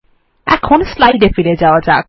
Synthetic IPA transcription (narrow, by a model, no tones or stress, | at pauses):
ɛ̰kʰonslajɖefiɾed͡ʑaoad͡ʑak